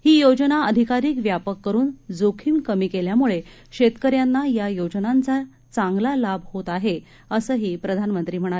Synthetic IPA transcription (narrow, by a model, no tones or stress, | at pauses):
hiːjod͡znaəd̪ʱikaɾiːkʋjapəkːəɾuːnd͡zokʰimkəmiːkeljamuɭe | ɕet̪kəɾjanːajajod͡znant͡sa | t͡sãŋɡlalabʱhot̪aɦe | əsəːɦiːpɾəd̪ʱanmənt̪ɾiːm̤əɽ̃a